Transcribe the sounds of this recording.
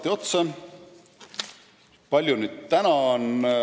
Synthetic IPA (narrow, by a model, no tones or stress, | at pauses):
t̪ːio̞t̪se | pɑlʲjunyːd̪̥̚t̪ænɑn